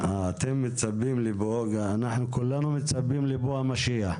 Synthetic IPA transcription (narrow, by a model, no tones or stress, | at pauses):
aːt̪emːɪt͡sabːimliboɡaːnaħnukulːanumɪt͡sabːimliboamaʃia